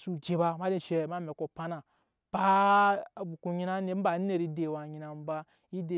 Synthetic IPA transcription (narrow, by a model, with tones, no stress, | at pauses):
su˨d͡ʒe˨ba˧ma˦di˦˨ʃe˧ma˦me˨ko˨pa˦na˨ | pa˦˨ | bu˨ku˧ɲi˦na˦ne˦ba˨˦e˦˨ɾi˦de˨wa˨ɲi˧na˨m˦ba˦ | i˦de˨